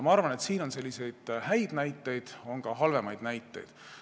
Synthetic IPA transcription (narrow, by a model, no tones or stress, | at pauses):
mɑɑrvɑne̞t̪siːno̞nse̞lʲːise̞jd̪̥hæjd̪̥næjt̪ːˑe̞jd̪̥o̞ŋɡ̥ɑɦɑlve̞mɑjd̪̥næjt̪ːˑe̞̰jd̪̥